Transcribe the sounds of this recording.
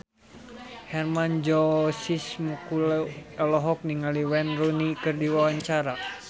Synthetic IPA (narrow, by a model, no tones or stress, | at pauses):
hɛrmand͡ʒɔsismukulɔlɔɦɔk̚niŋaliwɛnrunikɨrdiwawaɲt͡ʃaɾa